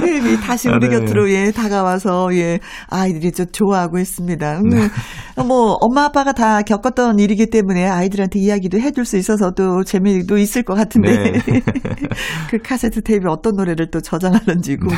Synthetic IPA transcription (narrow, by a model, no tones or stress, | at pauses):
tʰebitaɕʰiuɾɯɡjʌtʰɯɾoje̞taɡawasʰʌje̞ | aidɯɾit͡ɕot͡ɕoaɦaɡohe̞s͈ɯmɲida | mʌʌmːaap͈ʰaɡatakjʌk͈ʌt͈̚ʌniɾiɡit͈e̞mune̞aidɯɾantʰe̞ijaɡidoɦe̞d͡ʑuɭs͈uis͈ʌs̬ʰʌt͈ot͡ɕe̞medois͈ɯɭk͈ʌk͈atʰɯnde̞ | kɯkʰasʰe̞tʰɯ̥tʰebiʌt͈ʌnːoɾe̞ɾɯɭt͈ot͡ɕʌd͡ʑaŋɦadɯnd͡ʑiɡo